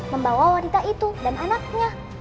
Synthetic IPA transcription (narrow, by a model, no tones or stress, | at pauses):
məmbawawanit̪ait̪udananak̚ɲa